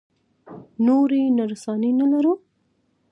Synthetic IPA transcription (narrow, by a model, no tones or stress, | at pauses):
noɾenaɾsɑnenalaɾu